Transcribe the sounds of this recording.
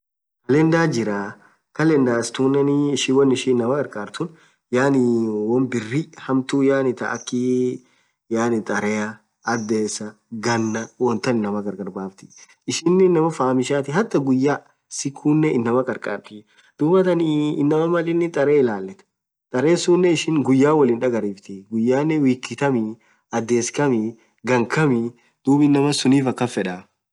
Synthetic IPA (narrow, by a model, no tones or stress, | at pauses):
kɐlɛnd̪aːd͡ʒɪɾaː | kɐlɛnd̪aːɪst̪uːnːɛnɪːʃiːwɐnːɪʃiːɪnːɐmɐkʼɐɾkʼaːɾt̪ʊn | jaːnɪwɐmbɪrːihɐmt̪uːjaːnɪt̪ɐ̰ʔɐkːi | jaːnɪt̪ʼɐɾɛɐː | d̪eːsɐ | ɡɐnːɐwɔnt̪ɐnɪnːɐmɐɡɐɾɡʼɐɾbaːft̪ɪ̥ | ɪʃɪnːɪnːɐmɐfaːmɪʃaːt̪ɪɦɐt̪ːɐɡʊjːaː | sɪkʰːuːnːɛɪnːɐmɐkʼɐɾkʼa̰ːɾt̪ɪ | d̪̥uːmɐt̪ɐniɪnːɐmɐmɐlɪnːɪt̪ʼɐɾeːɪlaːlːɛt̪ɛ̥ | t̪ʼɐɾeːsuːnːɛɪʃɪŋɡʊjːaːwɐlɪnᶑɐɡɐɾiːft̪ɪɡʊjːaːnːɛwiːkːɪt̪ɐmɪ | ɐd̪ːe̞ːskɐmɪ | ɡɐŋkʰɐmɪ | d̪̥uːbɪnːɐmɐsʊniːfɐkːɐfɛᶑɐ